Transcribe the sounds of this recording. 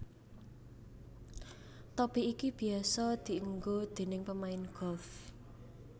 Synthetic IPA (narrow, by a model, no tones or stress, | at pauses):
t̪ɔb̥iikib̥i̤asɔd̪̥i̤əŋɡod̪̥e̤nɪŋpəmaɪnɡ̥ɔ̤f